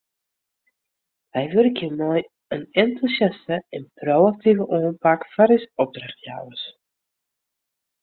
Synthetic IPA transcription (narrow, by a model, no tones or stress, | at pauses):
ʋɛjʋɵrkimoj | ənɛntusjastəɛnprowak̚tivəʔɔːnpakfaɾisɔb̚draχtja̰wəs